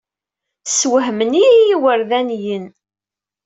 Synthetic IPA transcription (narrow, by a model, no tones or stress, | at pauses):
swəɦmənijiwəɾðænjən